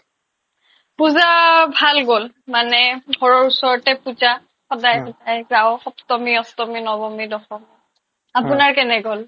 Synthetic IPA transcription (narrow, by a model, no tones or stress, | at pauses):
puzabʱalɡol | manɛɡʱɔɹɔɹusɔɹɔtɛpuza | xɔdajxɔdajzaʊxɔptɔmiɔstɔminɔbɔmidɔxɔm | apʊnaɹkɛnɛɡɔl